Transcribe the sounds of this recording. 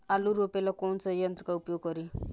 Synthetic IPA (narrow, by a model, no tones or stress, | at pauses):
aluɾopelakonsʌjʌnt̪ɾʌkaupjoɡʌɾi